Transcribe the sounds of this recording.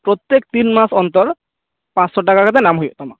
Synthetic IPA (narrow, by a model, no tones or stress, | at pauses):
pɾot̪ːek̚t̪inmasɔnt̪ɔɾ | pãt͡sʃɔʈakakat̪enamɦojet̪ɔma